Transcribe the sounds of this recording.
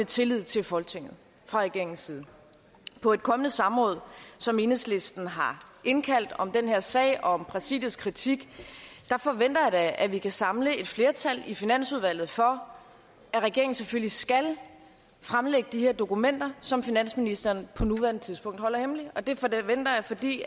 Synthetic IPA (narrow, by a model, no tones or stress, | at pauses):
et͡sʰe̝lið̰ˠt͡sʰe̝lfɒ̽lɡ̥t͡sʰe̝ŋ̰ð̩ˠ | fʁɑ̈ʁɛɡe̝ɐ̰eŋn̩siːð̞ˠn̩ | pʰɒ̽e̝d̥̚kʰɒ̽mənəsɑ̈mʁɔ̽ːð̞̩ˠsɒ̽me̝nəsle̝sd̥n̩ɦɑ̈e̝nkʰæl̰d̥ɒ̽md̥enhe̝ɐsɛ̰ɪɒ̽ɒ̽mb̥ʁɑsḭːðˠð̩ˠskʰʁit͡sʰiɡ̥d̥ɑ̈fɒ̽ʋen̰d̥ɐjɑ̈d̥æʔæʋikʰæsɑ̈mləe̝d̥fle̝ːɐt͡sʰælifinæn̰suð̞ˠʋæl̰ð̩ˠfɒ̽ | æʁɛɡ̥e̝ɐ̰eŋn̩seføllisɡ̥æl | fʁamleɡ̥əd̥iheɐ̰d̥o̝kumen̰d̥ɐsɒ̽mfinæn̰sminisd̥ɐːnpʰɒ̽nuʋæɐnət͡sʰiðˠsb̥ɔ̽ŋ̰d̥hɒ̽l̰ɐhemliɒ̽d̥e̝fʋen̰d̥ɐjɑ̈fɒ̽d̥ḭː